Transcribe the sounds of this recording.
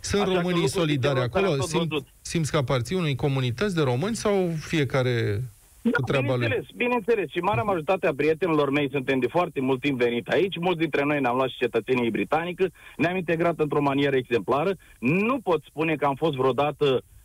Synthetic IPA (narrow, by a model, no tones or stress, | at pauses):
sunt̪ro̞mɨniso̞lid̪aɾako̞losimu | simt̪skəapart̪siunujko̞munit̪ət̪s̬ʲd̪e̞ɾo̞mɨnʲsawfie̞kaɾe̞ | kuɾʲanbaluelesbinent̪e̞le̞sʃimaɾeamaʒo̞ɾit̪at̪eapɾijet̪enilo̞rme̞jsunt̪e̞md̪efoart̪e̞mult̪ːimpve̞nit̪sʲait͡ʃʲmult̪s̬d̪int̪ɾe̞no̞jneamlwat̪ʃi̥t͡ʃe̞t̪ət̪se̞nijbɾit̪anikəneamint̪e̞ɡɾat̪ɨnt̪ɾo̞manie̞ɾəeɡze̞mplaɾə | nupo̞t̪spune̞kəamfo̞st̪vɾeod̪at̪ə